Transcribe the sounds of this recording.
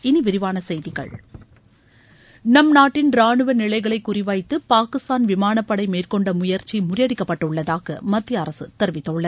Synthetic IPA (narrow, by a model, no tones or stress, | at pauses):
ɪniʋɪɾɪʋaːnɐsɛjðɪɣɐ̰ɭ | nɐmnaːʈːɪnɾaːɳɯʋɐnɪɭɐɪɣɐɭɐɪkːʊrɪʋɐɪt̪ːɯpaːkɪst̪aːnʋɪmaːnɐpːɐɽɐɪmeːrkɔɳɖɐmʊjɐɾt͡ʃːimʊrɪjɐɽɪkːɐpːɐʈːɐɯʊɭːɐðaːɣɐ̰mɐt̪ːɪjɐɐɾɐsɯt̪ɛɾʋɪt̪ːɐʊɭːɐ